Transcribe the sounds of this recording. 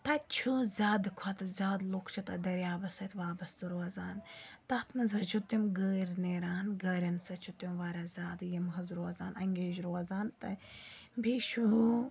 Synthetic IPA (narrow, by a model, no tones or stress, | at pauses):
t̪ɐt͡ʃʰuzʲaːd̪ɨkʰɐt̪ɐzʲaːd̪loːkʰt͡ʃʰɐt̪ɐd̪ɐɾjaːbɐsɐt̪ʰʋaːbɐst̪ɨɾoɐzaːnt̪ɐt̪ʰmɐzɐt͡ʃʰut̪imɡəːɾneːɾaːnɡɐɾʲɐnsɐt͡ʃʰut̪imʋaːɾazʲaːd̪jɐmɦɐzɾoɐzaːnɐŋɡʲeːʒɾoɐzaːnt̪ɐ | bʱiːʃu